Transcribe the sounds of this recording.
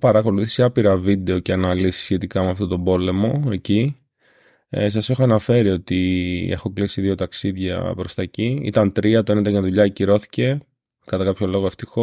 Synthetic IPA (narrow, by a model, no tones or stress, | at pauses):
pɐɾɐko̞luθisiɐpiɾɐvid̪e̞o̞ceɐnɐlisi̥sçe̞t̪ikɐmɐft̪o̞t̪o̞bo̞le̞mo̞e̞ci | sɐse̞xoɐnɐfe̞ɾio̞t̪ie̞xo̞klisiðio̞t̪ɐksiðʝɐ̰pɾo̞st̪ɐciḭt̪ɐnt̪ɾiɐt̪oenet̪ɐɣɐðuʎɐciɾo̞θi̥ce̞ | kɐt̪ɐkɐpço̞lo̞ɣoe̞ft̪ixo